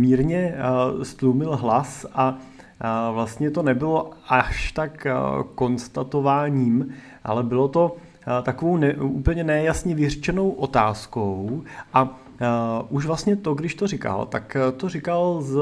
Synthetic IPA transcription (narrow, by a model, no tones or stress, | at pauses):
miːɾɲɛst̪lumɪlɦlasʔa | vlast̪ɲɛt̪o̞nɛbɪlo̞ʔaʃt̪akko̞nst̪at̪ovaːɲiːm | ʔa̰lɛbɪlo̞t̪o̞ | t̪akovo̞wnɛuːpl̩ɲɛnɛjasɲɛvɪrɛt͡ʃɛno̞wʔot̪aːskowʔa | ʔuʃvlast̪ɲɛt̪oɡdɪʃt̪orɪka̰lt̪akt̪orɪkalz